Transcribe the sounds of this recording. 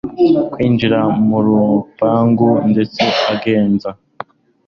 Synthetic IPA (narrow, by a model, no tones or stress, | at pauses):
kwiːnd͡ʒiɾamuɾupaːŋɡunde̞t͡seaɡe̞ːnza